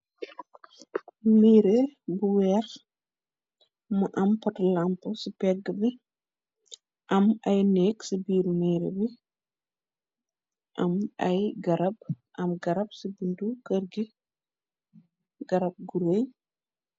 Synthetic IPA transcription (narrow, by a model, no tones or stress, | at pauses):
miːɾebuwɛːɾ | mɐʔɐmpɐtlampəsipɛɡːəbi | ʔɐmɐjnɛːksibiːɾmiːɾḛbi | ʔɐmɐjɡɐɾɐb̚ | ʔɐmɡɐɾɐp̚sibindukərɡi | ɡɐɾɐb̚ɡuɾəj